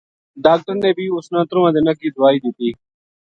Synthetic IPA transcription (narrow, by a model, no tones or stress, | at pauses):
ɖaːk̚ʈəɾneːbʱiːʊsnãːt̪ɾõːãːd̪eːnəkiːd̪ʊaːiːd̪it̪iː